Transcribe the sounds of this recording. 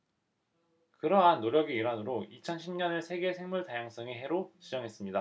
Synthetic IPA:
kɯɾʌɦanːoɾjʌɡeiɾanɯɾoit͡ɕʰʌnɕʰimɲʌnesʰe̞ɡe̞sʰe̞ŋmuɭtajaŋs͈ʌŋiɦe̞ɾot͡ɕid͡ʑʌŋɦe̞s͈ɯmɲida

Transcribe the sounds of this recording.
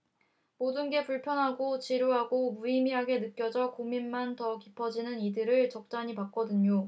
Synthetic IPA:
modɯnɡe̞puɭpʰjʌnɦaɡot͡ɕiɾjoɦaɡomuimiɦaɡe̞nɯk͈jʌd͡ʑʌkominmantʌkipʰʌd͡ʑinɯnidɯɾɯɭt͡ɕʌk̚t͡ɕ͈aɲipak͈̚ʌdɯɲo

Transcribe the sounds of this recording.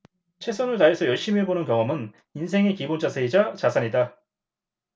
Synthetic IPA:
t͡ɕʰe̞s͈ʰʌnɯɭtaesʰʌjʌɭɕ͈imiebonɯnkjʌŋʌmɯn | ins̬ʰe̞ŋe̞kibond͡ʑʰasʰeid͡ʑat͡ɕasʰaɲida

